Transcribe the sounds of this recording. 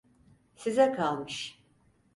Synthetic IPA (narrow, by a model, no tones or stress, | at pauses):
sizɛkʰalˠmɯʃ